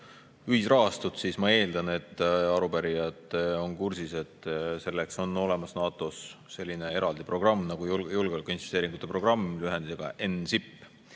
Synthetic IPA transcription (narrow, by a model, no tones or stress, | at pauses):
yhisrɑɦɑst̪ut̪sismɑe̞ːld̪ɑne̞t̪ːˑɑɾupæɾijɑt̪ːˑeo̞nkursise̞t̪ːˑse̞lːe̞kso̞no̞le̞mɑsnɑːt̪ˑosːe̞lʲːine̞e̞ɾɑld̪ipro̞ɡ̥rɑmːnɑɡ̥ujjulɡeolikːˑuinvist̪e̞ːɾiŋɡ̥ut̪ːˑe̞pro̞ɡ̥rɑmːlyɦend̪ise̞ɡ̥ɑ̰ʔe̞nsipː